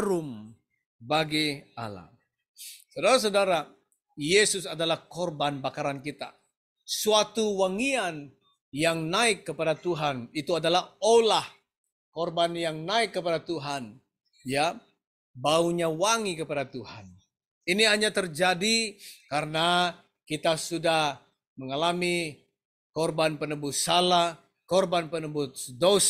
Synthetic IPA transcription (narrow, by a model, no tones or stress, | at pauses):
ɾʊm | baɡia̰la̰ | sadaɾas̬adaɾa | jesʊsadalahkɔrbanbakaɾankit̪a̰ | suat̪uwaŋian | jaŋnaɪkːəpadat̪uɦanit̪uadalaholah | kɔrbanjaŋnaɪkːəpadat̪uɦan | ja | bauɲawaŋikəpadat̪uhan | iniɦaɲat̪ərd͡ʒadikaɾəna | kit̪asudah | məŋalami | kɔrbanpənəbʊsalah | kɔrbanpənəbʊt̪dos